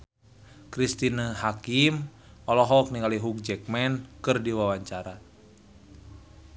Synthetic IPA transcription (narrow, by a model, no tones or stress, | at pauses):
kɾist̪inəɦakim | ɔlɔɦɔk̚niŋaliɦuk̚d͡ʒɛk̚mɛnkɨrdiwawaɲt͡ʃaɾa